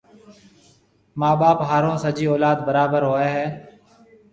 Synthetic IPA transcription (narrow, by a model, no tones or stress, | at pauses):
maːɓaːpɦaːɾõːsəd͡ʒiːoːlaːd̪bəɾaːbəɾɦoːeːɦɛː